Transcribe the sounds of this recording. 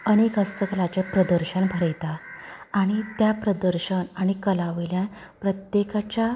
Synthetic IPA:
ənekəst̪əkəlat͡ɕepɾəd̪əɾɕənbʱəɾəjt̪aaɽ̃it̪japɾəd̪əɾɕənaɽ̃ikəlaʋeljãn | pɾət̪jekat͡ɕja

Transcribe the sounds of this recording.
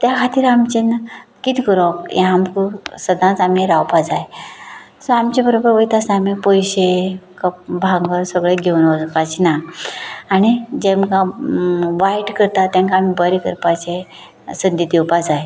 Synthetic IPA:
t̪jakʰat̪iːɾamt͡ɕenkit̪ʰikəɾɔkjẽamkusəd̪ãt͡samiɾawpad͡zaj | sɔamt͡ɕebəɾobəɾʋəjt̪asamipojɕekəp̚bʱãŋɡəɾsəɡɭeɡʱewnɔd͡zkat͡ɕinaː | ñid͡ʑẽmka | ʋajʈkəɾt̪at̪ːjãŋkaːmibəɾikəɾpat͡ɕe | sənd̪id̪iwpad͡zaje

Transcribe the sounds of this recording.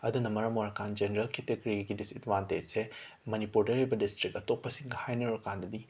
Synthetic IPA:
ɐd̪unɐmɐɾɐmoɾɐkand͡ʒeneɾɐlketeɡɾiɡidisitʋantese | mɐnipuɾdɐɾejbɐdistɾikɐtok̚pɐsiŋɡɐhajnɐoɾɐkand̪ɐd̪i

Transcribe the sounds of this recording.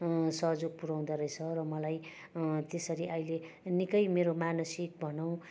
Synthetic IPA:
sʌɦd͡zoɡ̚puɾaw̃d̪aɾʌjt͡sʰʌrʌmʌlaj | t̪esʌɾiʔʌjle | nikʌjmeɾomanʌsik̚bʱʌnʌw̃

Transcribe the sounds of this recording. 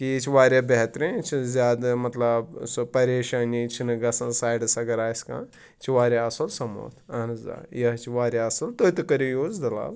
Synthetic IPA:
kiit͡ʃʰiʋaːɾʲjaːbɛɦt̪ɾẽt͡ʃʰizʲaːd̪mɐt̪lɐbspɐɾeːʃaːnit͡ʃʰinɨɡɐsɐ̃nsaːjɖsɐɡɐɾaːjskã̰ː | t͡ʃʰiʋaːɾʲjaɐsɐlsɐmo̰ːt̪ʰɐnɨza̰ːjɐɦt͡ʃʰiʋaːɾʲjaɐsɐlt̪ojt̪ɨkɐɾʲijoːzd̪ɐla̰ːl

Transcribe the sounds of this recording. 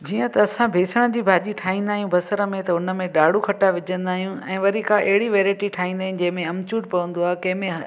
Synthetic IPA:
d͡ʑiːə̃t̪ɐɐsãbʱeːsəɽ̃d͡ʑiːbʱaːʄiʈʰaːɦĩːnd̪aːɦijũbʱɐsəɾəmẽt̪ɐʊnə̆mẽɗaːɽukʰɐʈaʋɪd͡ʑə̃nd̪aːɦijũɛ̃ːʋɐɾikʰãʔɐɦɪɽiʋeːɾaːɪʈiʈʰaːɦĩːnd̪aːɦɪ̃nɪ̃̆d͡ʑɐ̃ɦɪ̃mẽɐmt͡ɕuːʈ̚pɐʋə̃n̆d̪oaːekɐ̃ɦɪ̃mẽɦ

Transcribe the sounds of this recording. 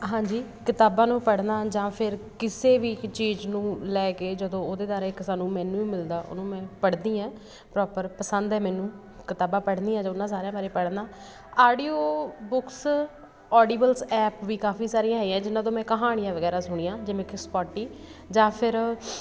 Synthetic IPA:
ɦãːɲd͡ʒiːkɪt̪aːbãːnũːpəɽnaːd͡ʒãːpʰɪɾkɪseːʋiːt͡ʃiːd͡ʒnũːlɛːkeːd͡ʒəd̪õːoːd̪eːd̪aːɾeksaːnːũːmɛ̃ːnũːiːmɪld̪aːʔʊ̰nũːmɛ̃ːpəɽd̪iːãː | pɾɔːpəɾpəsənd̪ɛːmɛːnũː | kɪt̪aːbãːpəɽniːãːd͡ʒãʊnːãːs̬aːɾejãːbaːɾeːpəɽnaː | aːɖiːoːbʊks | ɔːɖiːbəlsɛːpʋiːkaːfʰiːsaːɾĩãːɦɛiːãːd͡ʒɪnːãːt̪̬õːmɛ̃ːkəɦaːɽ̃ijãːʋəɡɛːɾaːsʊɽ̃iːãːd͡ʒɪʋẽːkɪspɔːʈːiː | d͡ʒãːpʰɪɾ

